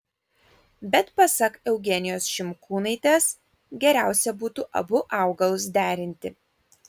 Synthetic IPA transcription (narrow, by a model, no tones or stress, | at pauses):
bʲɛt̪pɐsɐkɛʊɡʲɛnʲɪjoːsʃʲɪmkʰuːnɐɪt̪ʲɛs | ɡʲɛɾʲæˑʊsʲɛbuːt̪uːʔɐ̰bʊʔɑˑʊɡɐlˠʊs̬d̪ʲæːɾʲɪnʲt̪ʲɪ